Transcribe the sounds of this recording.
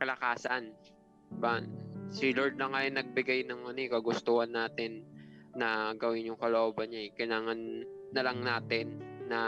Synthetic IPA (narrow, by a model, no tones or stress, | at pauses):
kɐlɐkaːsɐn | baʔnsɪloɹd̪̚lɐŋajnɐɡ̚bɪɡajnɐŋɐnɛkɐɡʊst̪uhanːaːt̪ɪnːɐɡɐwɪnjʊŋkɐloʔoːbɐnɲaɛkɪlaːŋɐnːɐlɐŋnaːt̪ɪnːɐ